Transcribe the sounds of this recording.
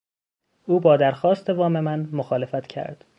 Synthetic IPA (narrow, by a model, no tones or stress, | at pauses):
uːbɒːd̪æɾxɒːst̪e̞vɒːme̞mænmoxɒːle̞fæt̪cʰæ̰ɾd̪̥